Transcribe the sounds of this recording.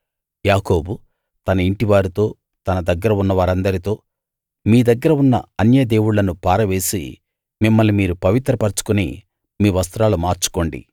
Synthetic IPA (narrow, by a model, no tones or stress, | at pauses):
jaːko̞ːbu | t̪ɐnɐiɳʈiʋaːɾut̪o̞ː | t̪ɐnɐd̪ɐɡːɐɾɐunːɐʋaːɾɐnd̪ɐɾit̪o̞ː | miːd̪ɐɡːɐɾɐunːɐ̰ɐnjɐd̪e̞ːwuɽlɐnupaːɾɐʋe̞ːsḭ | mimːɐlːimiːɾupɐʋit̪ɾɐpɐɾt͡ʃu̥kunḭ | miːʋɐst̪ɾaːlumaːɾt͡ʃu̥ko̞ːɳɖḭ